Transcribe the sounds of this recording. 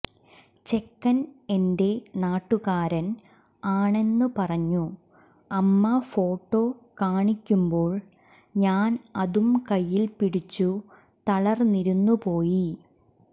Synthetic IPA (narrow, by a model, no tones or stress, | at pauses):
t͡ɕe̞kːɐne̞nde̞naːʈːuɣaːɾɐn | aːɳe̞nːɨpɐrɐɲːu | ɐmːɐfo̞ːʈːo̞ːkaːɳikʲːumbo̞ːɭ | ɲaːnɐðumkɐjːilpiɽit͡ɕːu | t̪ɐɭɐrniɾunːupo̞ːji